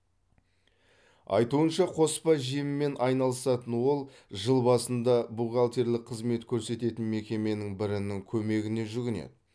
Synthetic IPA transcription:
ɑ̰jt̪uənʃɑqʰo̞spɑʒijmɪːe̞nʔɑjnɑlˠəsɑt̪ənwo̞lˠ | ʒəlˠbɑsənd̪ɑbuʁɑlˠt̪e̞ɾlɪk̚qʰəzme̞t̪kʲʰɵɾse̞t̪e̞t̪ɪnme̞kʲe̞me̞nɪŋbɪɾɪnɪŋkʲʰɵme̞ɡʲɪne̞ʒʏɡʲɪne̞̰d̪ɪ

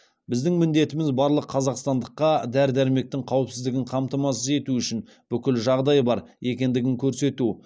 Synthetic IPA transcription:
bɪzd̪ɪŋmɪnd̪e̞t̪ɪmɪzbɑɾlˠəqʰːɑzɑqst̪ɑnd̪əqːɑd̪æɾd̪æɾme̞k̚t̪ɪŋqʰɑwəpsɪzd̪ɪɡʲɪɴqʰɑmt̪ɑmɑsəze̞t̪uʏʃɪn | b̥ʏkʲɪlʒɑʁd̪ɑjbɑɾe̞kʲe̞nd̪ɪɡʲɪŋkʲʰɵɾse̞t̪u

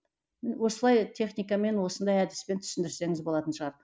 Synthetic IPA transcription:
wo̞səlˠɑjt̪ʲʰe̞χnijkɑme̞nwo̞sənd̪ɑjæd̪ɪ̥spe̞nt̪ʰʏ̥sɪnd̪ɪɾse̞ŋɪzbo̞lˠɑt̪ənʃəʁɑɾə

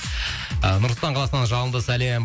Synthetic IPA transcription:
nʊɾslt̪ɑɴqʰɑlˠɑsənɑnʒɑlənˠd̪əsælem

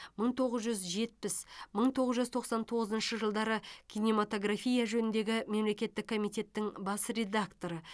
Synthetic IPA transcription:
məɴt̪ʰo̞ʁəzʒʏzʒe̞t̪̚pɪsməɴt̪ʰo̞ʁəzʒʏzt̪ʰo̞qsɑnt̪ʰo̞ʁəzənʃəʒəlˠd̪ɑɾəkʲʰijnemat̪o̞ɡrafijaʒɵnɪnd̪e̞ɡʲɪme̞mle̞kʲe̞t̪ːɪkʰːo̞mijt̪ʲe̞t̪ːɪŋbɑsre̞d̪akt̪o̞ɾə

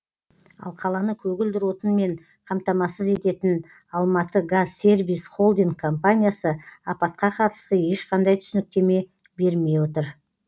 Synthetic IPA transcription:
ɑ̰lˠqʰɑlˠɑnəkʲʰɵɡʲɪld̪ɪɾwo̞t̪ənme̞ɴ | qʰɑmt̪ɑmɑsəze̞t̪e̞t̪ɪn | ɑlˠmɑt̪əɡazːe̞ɾvijsχo̞lˠd̪iŋɡkʰːo̞mpanʲijasəɑpɑt̪̚qɑqʰɑt̪ə̥st̪əje̞ʃqɑnd̪ɑjt̪ʰʏ̥sɪnɪk̚t̪e̞me̞ | be̞ɾme̞jwot̪əɾ

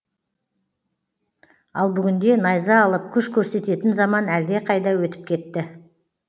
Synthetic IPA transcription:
ɑ̰lˠbʏɡʲɪnd̪e̞nɑjzɑːlˠəp̚kʲʰʏʃkʲʰɵɾse̞t̪e̞t̪ɪnzɑmɑnæld̪e̞qʰɑjd̪ɑwɵt̪ɪ̥p̚kʲʰe̞t̪ːɪ

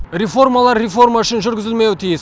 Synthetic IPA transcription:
ɾefo̞rmalˠɑɾːefo̞rmaʏʃɪnʒʏɾɡʲɪzɪlme̞wɪt̪ʰijɪs

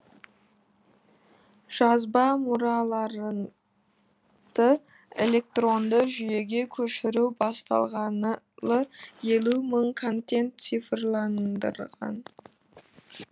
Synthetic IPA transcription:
ʒ̥ɑzbɑmʊɾɑlˠɑɾə | d̪̥ə | e̞̰lʲe̞k̚t̪ro̞nd̪əʒʏje̞ɡʲe̞kʲʰɵʃɪɾubɑst̪ɑ̰lˠʁɑn | lˠəje̞lʲuməɴkʰo̞nt̪e̞nt̪sifrlˠɑnd̪ə̰ɾʁɑ̰n

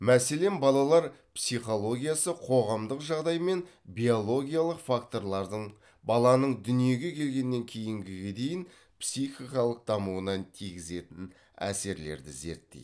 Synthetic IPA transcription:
mæse̞le̞mbɑlˠɑlˠɑɾpsijχo̞lˠo̞ɡʲijasəqʰo̞ʁɑmd̪əqʒɑʁd̪ɑjme̞n | bʲio̞lˠo̞ɡʲijalˠəqfakt̪o̞ɾlˠɑɾd̪əɴ | bɑlˠɑnəɴd̪ʏnije̞ɡʲe̞kʲʰe̞lɡʲe̞nːe̞ŋkʲʰe̞jɪŋɡʲɪɡʲe̞d̪e̞jɪn | psijχijkɑlˠəq̚d̪̥ɑmuənɑnt̪ʰiɡʲɪze̞t̪ɪn | æ̰se̞ɾle̞̰ɾd̪ɪze̞̰ɾt̪ːḛj

